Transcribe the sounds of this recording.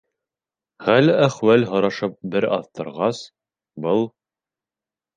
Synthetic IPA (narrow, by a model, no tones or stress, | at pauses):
χælæχwælɦɤ̆ɾɑʃɤp̚bɘɾɑ̰ðt̪ɤ̆ɾʁɑs | bɤlˠ